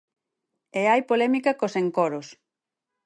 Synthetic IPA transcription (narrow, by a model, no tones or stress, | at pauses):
eajpolɛmikakoseŋkɔɾʊs